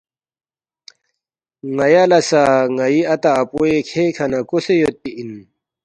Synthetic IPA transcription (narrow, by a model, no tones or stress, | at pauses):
ŋɐjalɐsaŋɐiɐt̪aːpuekʰeːkʰɐnakosejot̪ːiʔin